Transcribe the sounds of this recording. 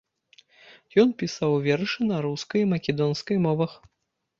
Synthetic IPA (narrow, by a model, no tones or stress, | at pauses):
jɔnpʲisawvʲɛrʂɨnɐɾuskɐjmɐkʲɛd̪ɔnskɐjmɔvɐx